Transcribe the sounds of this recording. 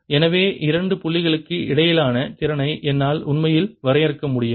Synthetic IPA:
ɛnɐʋeːʔɪɾɐɳɖɯpʊɭːɪɣɐɭɯkːɯʔɪɽɐjɪlaːnɐt͡ʃɪɾɐnɐɪʔɛnːaːlʊnmɐjɪlʋɐɾɐjɪɾɯkːɐmʊɽɪjɐ

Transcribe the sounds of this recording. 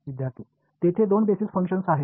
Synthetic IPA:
ʋid̪jaɾt̪iː | t̪et̪ʰed̪onbesisfəŋkʂənsaɦi

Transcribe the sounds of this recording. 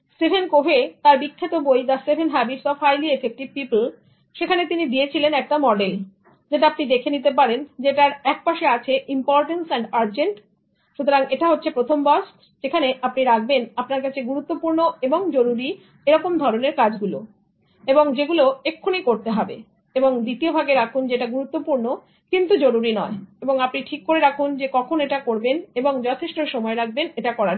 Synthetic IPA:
sebʱenkobʱet̪aɾbikʰːet̪obojd̪asebʱenɦɛbisɔfʰajliefʰek̚ʈibpipl | ʃekʰanet̪inid̪iet͡ɕʰilenɛk̚ʈamɔɖel | d͡ʑeʈaapnid̪ekʰenit̪ep̬aɾend͡ʑeʈaɾɛk̚paʃeat͡ɕʰeʔimpɔɾʈensɛɳɖaɾd͡ʑeɳʈ | ʃut̪oɾaŋeʈaɦotːɕʰepɾot̪ʰombɔs | d͡ʑekʰaneʔapniɾak̚benapnaɾkat͡ɕʰeɡuɾut̪ːopuɾnoeboŋd͡ʑoɾuɾi | eɾɔkomd̪ʱɔɾoneɾkad͡ʑɡulo | eboŋd͡ʑeɡuloekʰːonikoɾt̪eɦɔbḛ | eboŋd̪it̪iobʱaɡeɾakʰund͡ʑeʈaɡuɾut̪ːopuɾno | kint̪ud͡ʑoɾuɾinɔeeboŋapniʈʰikːoɾeɾakʰund͡ʑekɔkʰoneʈakoɾbeneboŋd͡ʑɔt̪ʰeʃʈoʃɔmɔeɾak̚beneʈakɔɾaɾ

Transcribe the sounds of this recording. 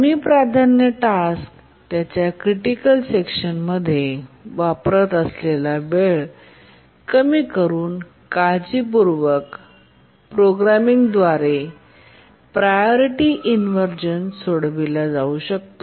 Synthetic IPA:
miːpɾad̪ʱanjəʈask | t̪jat͡ɕjakɾiʈikəlsekɕənməd̪ʱːjeʋapɾət̪əslelabeɭ | kəmiːkəɾuːn | kad͡ʑiːpuɾʋək | pɾoɡɾamiŋɡd̪ʋaɾe | pɾajoɾiʈiʔinʋəɾd͡ʑənsoɽʋilad͡zauɕək̚t̪o

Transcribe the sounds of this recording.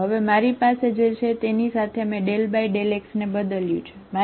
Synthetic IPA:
ɦəʋemaɾipased͡ʒet͡ʃʰet̪enisat̪ʰeəmẽɖelbaiɖeleksnebəd̪əljṵ̃t͡ʃʰe̥ma

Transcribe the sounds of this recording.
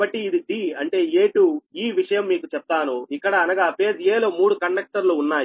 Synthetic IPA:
ɐʈːiːd̪iɖiɐɳʈe̞ːeːʈuiːʋiʂɐjɐmːiːkut͡ʃɛp̚t̪aːnuikːɐɽɐːnɐɡaːpeːd͡ʒeːloːmuːɽukɐɳɖɐk̚ʈɐɾluːnːaːj

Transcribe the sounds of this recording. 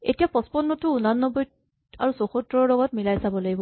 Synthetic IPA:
ḛtijapɔspɔnːɔtʊunanːɔbɔjt | a̰ɹusoxutɹɔɹlɔɡɔtmilajsabɔlaɡibɔ

